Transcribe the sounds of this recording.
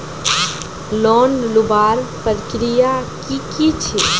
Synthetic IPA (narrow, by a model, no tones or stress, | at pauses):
lɔnlubaɾpətkɾijakikit͡ʃʰi